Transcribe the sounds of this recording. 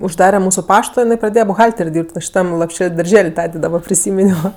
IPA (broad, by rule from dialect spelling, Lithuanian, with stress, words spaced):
ʊʒˈdɑːrʲɛ ˈmuːsʊ ˈpɑːʃtoː jɪˈnɐɪ prɐˈdʲeːjɛ bʊˈɣɐlʲtʲɛrʲ ˈdʲiːrʲpʲtʲ ʋɐ ʃʲɪˈtɐm lˠoːpʲˈʃʲɛlʲ dɐrʲˈʒʲɛlʲ ˈtɑːdʲeː dɐˈbɐ pʲrʲɪˈsʲiːmʲɪnʲoː